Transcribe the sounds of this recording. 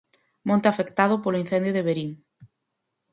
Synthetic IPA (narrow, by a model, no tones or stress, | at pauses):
mõnt̪eafekt̪aðʊpolʊin̟θend̪jʊðeβeɾiŋ